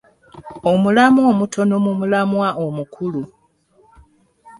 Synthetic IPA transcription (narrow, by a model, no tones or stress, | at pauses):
o̞mulamo̞ːmutʰo̞nomumulamwaʔomukʰulu